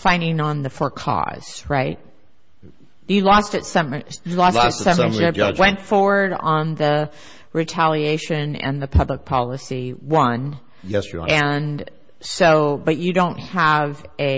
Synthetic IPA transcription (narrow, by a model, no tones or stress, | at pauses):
fãɪ̃ndɪ̃ŋə̃nðɨfə˞kʰɔ̰z̥ɹaɪt̚ | jɨlɔstɨtsʌ̃məjɨlɔssʌ̃məwɛ̃ntfɔɹwə˞ɾn̩ðɨ | ɹitʰælˠieɪʃɨ̃nɨ̰̃nðɨpʰʌblək̚pʰɑlˠəsiwʌ̃n | jɛsɨ̃n | soʊbʌt͡ʃɨdõʊ̃nt̚həvɨ